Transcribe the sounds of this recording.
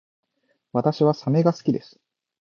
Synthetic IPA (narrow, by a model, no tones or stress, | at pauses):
βat̪aɕiβasame̞ɡasɨ̥kʲid̪e̞sɨ̥